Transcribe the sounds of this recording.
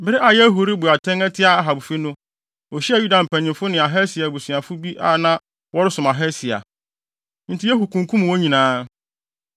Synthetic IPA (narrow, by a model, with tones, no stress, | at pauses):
bɪ˦ɾɪ˦ʔa˨jɛ˦ɦo˨ɾi˦bʊ˨a˨tʰɛ̃˦ŋæ˦tʰɪ˦a˦˨a˨ɦa˨bʊ˨fi˦nʊ̃˦ | ɔ˨ɕi˦a˨ju˦da˨m̩˨pʰæ̃˨ɲɪ̃˨mfʊ˦nɪ̃˨a˨ɦɛ˦si˨a˨bu˨sɥa˨fʊ˦bi˦ʔa̰˨nã˦ | wɔ˦ɾɪ˦sʊ̃˨ma˨ɦɛ˦si˨a̰˨ | n̩˨tʰɪ˦jɛ˦ɦu˨kʰũ˨ŋkʰũ˦m˨wo˦ɲĩ˨nãː˨˦